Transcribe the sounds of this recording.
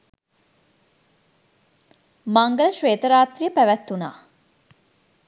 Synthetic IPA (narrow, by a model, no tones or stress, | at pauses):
maŋɡələʃʋeːt̪əɾaːt̪rijəpæʋæt̪ːuna̰ː